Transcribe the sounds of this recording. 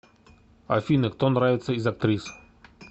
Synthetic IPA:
ɐ̰fʲinɨkt̪onɾavʲɪt̪səizɐk̚t̪ɾʲis

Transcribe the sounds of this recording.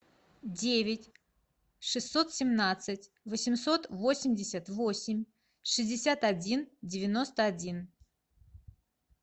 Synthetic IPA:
dʲevʲɪtʲ | ʂɨsːo̞t̪sʲɪmnat̪sɨtʲ | vəsʲɪmso̞t̪vo̞sʲɪmʲdʲɪsʲət̪vo̞sʲɪmʲ | ʂɨzʲdʲɪsʲat̪ɐdʲindʲɪvʲɪno̞st̪əɐdʲin

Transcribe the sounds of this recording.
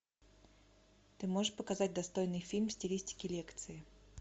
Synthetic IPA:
t̪ɨmoʐɨʂpəkɐzat̚ʲd̪ɐst̪o̞jnɨjfʲilʲmsʲtʲɪlʲisʲtʲɪ̥kʲɪlʲekt̪sɨɪ

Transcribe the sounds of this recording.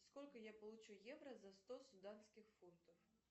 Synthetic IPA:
skɔlʲkɐjapɐlˠut͡ʂujɛvɾɐzɐst̪ɔsud̪ansʲkʲɪxfunt̪ɐf

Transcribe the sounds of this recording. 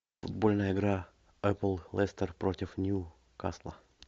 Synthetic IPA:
fʊd̪bolʲnəjəɪɡɾa | ɛplˠlˠɛst̪ərpɾotʲɪfnʲju | ka̰slˠə̰

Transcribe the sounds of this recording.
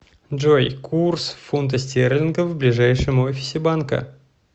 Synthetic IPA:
ʐojkʰursfunt̪̬əsʲtʲerlʲɪnɡəvblʲɪʐajʂɨmofʲɪ̥sʲɪbankə̰

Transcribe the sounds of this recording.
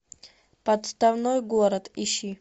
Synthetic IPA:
pɐt̪st̪avnojɡɔɾɐt̪iʃi

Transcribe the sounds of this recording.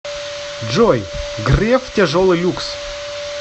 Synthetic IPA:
d͡ʒojɡrʲeftʲeʐolˠɨjlʲuks

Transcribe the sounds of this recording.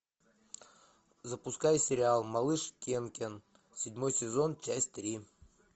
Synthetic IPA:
zəpʊskajsʲɪɾʲɪalˠmɐlˠɨʂkʲenkʲen | sʲɪdʲmo̞jsʲɪzo̞nt͡ɕæsʲtʲt̪ɾʲi

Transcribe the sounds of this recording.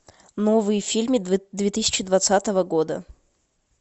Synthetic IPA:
novɨjəfʲilʲmɨd̪vʲet̪ɨsʲɪ̥t͡ɕɪd̪vɐt̪sat̪əvəɡod̪ə̰

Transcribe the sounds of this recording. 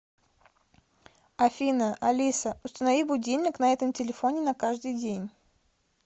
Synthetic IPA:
ɐfʲinəʔɐlʲisəʊst̪ənɐvʲibʊdʲilʲnʲɪknɐɛt̪əmtʲɪlʲɪfonʲɪnɐkaʐd̪ɨjdʲenʲ

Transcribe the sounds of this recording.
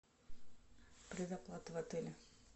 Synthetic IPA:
pɾʲɪzɐplˠat̪ɪvɐt̪ɨlʲɪ

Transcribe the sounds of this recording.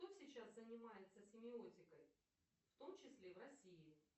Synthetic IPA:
ʂt̪osʲɪt͡ɕaszənʲɪmajɪt̪səsʲɪmʲɪotʲɪkəj | ft̪o̞mt͡ɕɪsʲlʲevɾɐsʲiɪ

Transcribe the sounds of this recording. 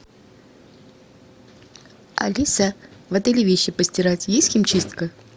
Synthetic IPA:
ɐ̰lʲisavɛt̪əlʲɪvʲeɕːɪpəsʲtʲɪɾatʲjesʲtʲxʲimt͡ɕist̪kə

